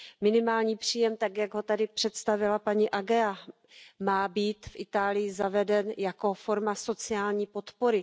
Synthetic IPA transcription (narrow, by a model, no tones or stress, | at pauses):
mɪnɪmaːlɲiːpr̝̥iːjɛmt̪akjaɡɦo̞t̪adɪpr̥ɛt̪st̪avɪlapaɲiʔaɡɛa | maːbiːt̪fʔɪt̪aːlɪjɪzavɛdɛnjako̞fo̞ɾmaso̞t͡sɪaːlɲiːpo̞t̪po̞ɾɪ